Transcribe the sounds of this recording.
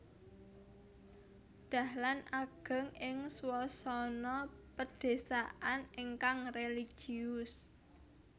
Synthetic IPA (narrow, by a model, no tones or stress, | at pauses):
d̪̥a̤hlanʔaɡ̥ə̤ŋɪŋswɔsɔnɔpəd̪̥e̤saʔaniŋkaŋreli̥ʒ̥iʊs